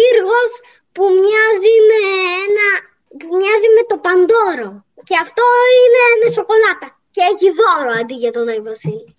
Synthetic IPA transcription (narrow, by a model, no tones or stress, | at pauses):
iɾɣo̞s | pumɲɐzineenɐ | pumɲɐzime̞t̪o̞pɐnd̪o̞ɾo̞ | ce̞ɐft̪o̞ine̞me̞so̞ko̞lɐt̪ɐ | ce̞eçiðo̞ɾoɐnd̪iʝɐt̪onɐivosi